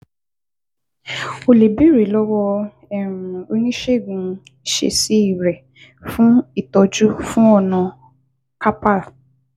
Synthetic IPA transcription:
o˧le˨bi˦ɾe˨˦lɔ˦wɔ˧ | ɛ˨mũ˨o˧nĩ˦ʃe˦˨ɡũ˧˦ | i˨ʃḛ˧si˦i˦˨ɾɛ˨ | fũ˦i˦˨tɔ˧d͡ʒu˦fũ˦ɔ˦˨nã˧ | ka˦pa˦˨

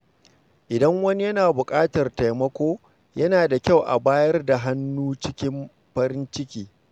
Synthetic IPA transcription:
ʔɪ˨dɐ˦ŋwɐ˦ni˦jɐ˦naː˨bʊ˨kʼaː˦tɐ˨rta˨jmɐ˦kʷoː˦ | jɐ˦naː˨da˨kʲa˦˨wʔa̰˨baː˦jɐ˦rda˨ɦa˦nːuː˦t͡ʃɪ˦kʲɪ˦m | ɸɐ˦ɾɪ˦nt͡ʃɪ˦kʲiː˦

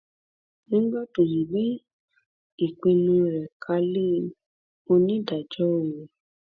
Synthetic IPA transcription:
nĩ˦ɡ͡bɔ˦tõ˨jĩ˨be˦ | i˨k͡pĩ˧nũ˧ɾɛ˨kʰa˧le˦˨˧ | o˧nĩ˦da˨d͡ʒɔ˨˦o˨e˨

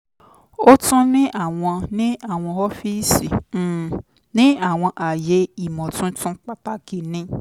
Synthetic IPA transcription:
o˦tũ˦nĩ˦ʔa˦˨w̃ɔ̃˧nĩ˦a˦˨w̃ɔ̃˧ɔ˦fi˦si˨˦˨ | nĩ˦a˦˨w̃ɔ̃˧ʔa˨je˨˦i˦˨mɔ̃˨tũ˦tũ˦k͡pa˦k͡pa˦ɡi˨nĩ˧

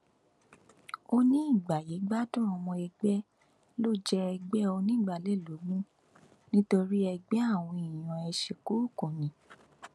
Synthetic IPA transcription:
o˧nĩ˦i˦˨ɡ͡ba˨je˨˦ɡ͡ba˦dɔ̃˦ɔ˧mɔ̃˧ɛ˧ɡ͡bɛ˦ | lo˦˨d͡ʒɛ˧ɛ˧ɡ͡bɛ˦o˧nĩ˦˨ɡ͡ba˨lɛ˦˨lo˨˦ɡ͡bũ˦ | nĩ˦to˧ɾi˦ɛ˧ɡ͡bɛ˦a˦˨w̃ɔ̃˧i˨j̃ɔ̃˨ɛ˧ʃe˨ko˨˦u˦˨kũ˨nĩ˨˦

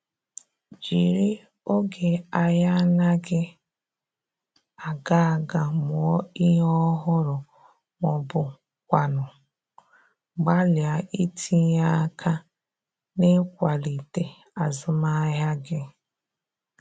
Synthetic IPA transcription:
d͡ʒi˨ɾi˦ | o˦ɡe˨a˨ja˦na˦ɡɪ˦ | a˨ɡa˦a˨ɡa˨mʊ˨ɔ˦i˦ɦɔ˦ɦʊ˦ɾʊ˨ | mɔ˨bʊ˨ | kʷa˨nʊ˨ | ɡ͡ba˦lja˨i˦tʰi˦ja˦kʰa˦ | nɪ˦kʷa˨li˨te˨ | a˨zʊ˨˦ma˦ja˦ɡɪ˦

